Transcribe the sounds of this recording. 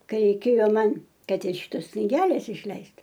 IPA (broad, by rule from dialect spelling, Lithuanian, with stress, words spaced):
ˈkɐɪ rʲɛɪˈkʲeːjoː ˈmɐn ˈkɐt ɪr ˈʃʲɪtoːs knʲɪˈɡʲæːlʲeːs ɪʃʲˈlʲɛɪst